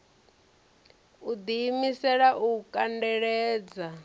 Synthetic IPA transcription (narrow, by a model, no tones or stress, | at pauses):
ud̪iːmisɛɺaʔukʼandɛɺɛːd͡za